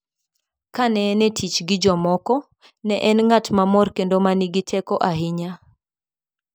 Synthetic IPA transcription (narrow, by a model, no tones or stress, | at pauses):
kanɛnɛtʰit͡ʃɡɪd͡ʒɔmɔkɔ | nɛʔɛnŋatmamɔrkendomaniɡɪtʰɛkɔʔaɦɪɲa